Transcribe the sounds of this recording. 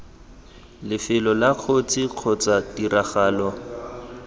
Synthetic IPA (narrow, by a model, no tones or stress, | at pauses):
lɪfɪlɔlaq͡χʰot͡sʰiq͡χʰɔt͡sadiraχaːlɔ